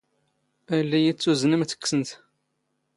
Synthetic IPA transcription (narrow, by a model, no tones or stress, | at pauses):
ælːæjit͡sːuznəmθə̥kːsənt̪